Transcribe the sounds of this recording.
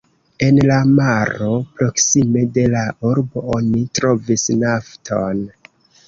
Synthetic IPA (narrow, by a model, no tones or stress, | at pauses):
e̞nlamaɾo̞pɾo̞ksime̞de̞laʔuɾbo̞onitɾo̞visnaftʰo̞n